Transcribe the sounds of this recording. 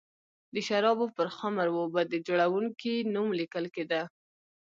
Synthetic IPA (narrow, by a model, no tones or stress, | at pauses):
d̪əʃaɾɑbopəɾxamaɾwobad̪əd͡ʒoɽawuŋkinumlikəlked̪a